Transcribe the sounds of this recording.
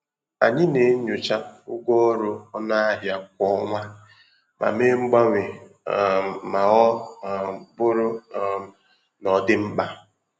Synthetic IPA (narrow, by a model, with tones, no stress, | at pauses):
a̰˨ɲɪ˦ne˨˦ɲʊ˨t͡ʃa˦ʊ˦ɡʷo˦ɾʊ˦ɔ˦na˦a˦ɦja˦kʷɔ˦ŋʷa˦ | mʔa̰˨me˦ŋ͡m̩˦ɡ͡ba˦ŋʷɪ˨ | ma˨ɔ˦˨ | bʊ˦ɾʊ˦˨ | nɔ˨dɪ˦m̩˦k͡pa˦